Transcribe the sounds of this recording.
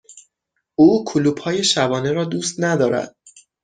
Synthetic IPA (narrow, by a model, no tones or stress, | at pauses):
uːkʰoluːb̥hɒːje̞ʃæbɒːne̞ɾɒːd̪uːst̪næd̪ɒːɾæ̰d̪̥̚